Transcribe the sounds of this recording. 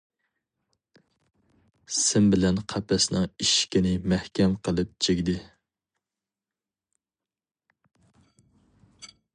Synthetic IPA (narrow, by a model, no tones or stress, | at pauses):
sɪmbɪlɛnqʰɑpʰɛsnɨŋiʃkʲinɪmæhkʲɛmqʰəlˠɨp̚t͡ʃʰeɡʲd̪ɪ